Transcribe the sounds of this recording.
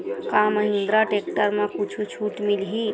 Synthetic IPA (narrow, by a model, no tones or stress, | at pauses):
kaməɦĩnd̪ɾaʈeːk̚ʈəɾmẽkut͡ʃʰut͡ʃʰuːʈmilɦi